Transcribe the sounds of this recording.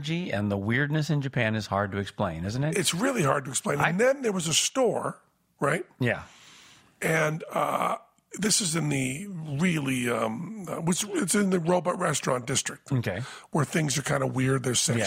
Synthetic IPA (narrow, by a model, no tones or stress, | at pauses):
d͡ʒiɨ̰̃nðəwɪɹdⁿnɨsɨ̃nd͡ʒɨpʰæ̃nɨz̥hɑɹd̚tɨːksplẽɪ̃nɪz̃n̩tɨɨtsɹɪlˠiɦɑɹd̚tɨksplẽɪ̃ñnðɨ̃nðə˞wʌzəstɔɹ | ɹaɪt̚jæ̰ | ʔɨ̃nʌ̰ | ðɪsɨzɨ̃nðɨɹɪlˠiʌ̃mwɨt͡ʃɪtsɨ̃nðɨɹoʊbɑt̚ɹɛstɹ̥ɑ̰̃nd̥ɪstɹ̥ɨk̚t̚okʰeɪwə˞θɪ̃ŋzə˞kʰãɪ̃ndəwɪɹd̪̚ðə˞sẽ